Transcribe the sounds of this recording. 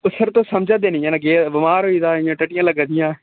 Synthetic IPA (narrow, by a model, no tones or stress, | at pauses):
ʊsəɾt̪õːsəmd͡ʒaːd̪eːnɪjãːləɡeːbɪmaːɾɦoːiːd̪aːɪjãːʈəʈɪjãːləɡd̪ɪjãː